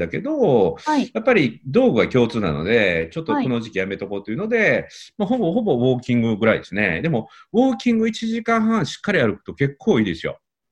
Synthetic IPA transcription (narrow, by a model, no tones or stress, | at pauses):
ake̞d̪o̞japːaɾʲid̪o̞ːɡɯ̟ɡakʲo̞ːt͡sɨːna̰no̞̰d̪e̞t͡ɕo̞t̪ːokonoʑikʲijame̞t̪ako̞t̪ːoiɯ̟no̞d̪e̞maɦo̞bo̞ho̞bo̞βo̞ːkʲĩŋɡɯ̟ɡɯ̟ɾaḭd̪e̞sɨnḛd̪e̞mo̞βo̞ːkʲĩŋɡɯ̟it͡ɕiʑikãɰ̃ɦãɰ̃ɕi̥kːaɾʲiaɾɯ̟kɯ̥t̪o̞ke̞kʰːo̞ːiːd̪e̞sɨjo̞̰